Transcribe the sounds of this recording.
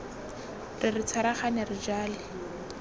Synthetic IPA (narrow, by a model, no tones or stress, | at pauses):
rɪrɪt͡sʰaɾaχanɪrɪd͡ʒaːlɪ